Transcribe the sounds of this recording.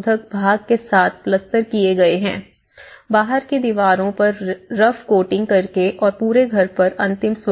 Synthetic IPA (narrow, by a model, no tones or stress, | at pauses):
d̪ʱək̚bʱaːɡ̚kesaːt̪ʰplɐst̪ːəɾkieɡɐeɦɛ̃ː | baːɦəɾkid̪iʋaːɾõpɐɾɾɐfkoːʈɪ̃ŋɡ̚kɐɾkeʔɔːɾpuːɾeɡʱɐɾpɐɾɐ̃nt̪ɪms